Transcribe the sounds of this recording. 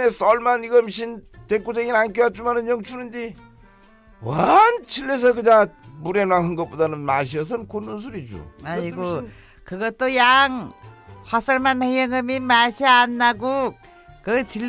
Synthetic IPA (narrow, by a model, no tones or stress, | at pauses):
esʌlmaniɡʌmɕʰintekud͡ʑeŋinankiwat͡ɕ͈umanɯnjʌŋt͡ɕʰunɯndi | want͡ɕʰilːes̬ʰʌkɯɲamuɾenwaŋhɯŋɡʌp͈odanɯnmaɕ̬ʰiʌs̬ʰɯnkonːɯns̬ʰuɾid͡ʑṵaiɡo | kɯɡʌtojaŋhʰwasaɾmanajʌŋɯmimasianːaɡu | kɯt͡ɕʰil